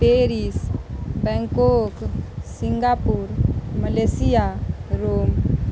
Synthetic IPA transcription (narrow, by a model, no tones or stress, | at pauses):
peɾisbɛ̃ŋkoksiŋɡapuɾməlesijaɾoːm